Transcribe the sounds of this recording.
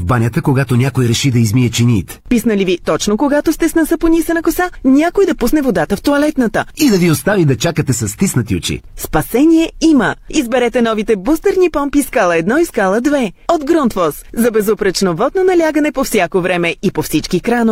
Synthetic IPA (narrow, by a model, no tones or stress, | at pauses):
vbanʲət̪əkoɡat̪onʲakojɾɛʃid̪ɐizmiɛt͡ʃinʲiːt̪pisnəlivit̪ɔt͡ʃnokoɡat̪ost̪ɛsnɐsəponʲisənɐkosanʲakojd̪ɐpusnɛvod̪at̪əft̪oɐlɛt̪nət̪əid̪ɐviost̪avid̪ɐt͡ʃakət̪ɛsɐst̪isnɐt̪iot͡ʃḭspɐsɛnʲiɛiməizbɛɾɛt̪ɛnɔvit̪ɛbust̪əɾnipɔmpiskalˠəɛd̪nɔiskalˠəd̪vɛod̪ɡɾɔnt̪fɔszɐbɛzopɾət͡ʃnovɔd̪nonɐlʲaɡənɛpofsʲjakovɾɛmɛipofsit͡ʃkikɾano